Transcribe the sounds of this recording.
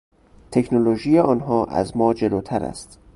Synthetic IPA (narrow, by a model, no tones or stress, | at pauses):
t̪ʰe̞kʰnoloʒiːjeʔɒːnɦɒːʔæ̰zmɒːd͡ʒe̞loːt̪ʰæɾæ̰st̪